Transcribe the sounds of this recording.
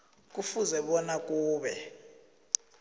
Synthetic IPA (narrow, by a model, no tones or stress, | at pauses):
k̬ʼufuzɛɓɔnakʼuːɓɛ